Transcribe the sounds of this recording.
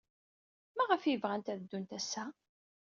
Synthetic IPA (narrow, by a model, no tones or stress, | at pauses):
mæʁəfjəvʁænt̪æðəd̪ːunt̪æsːæ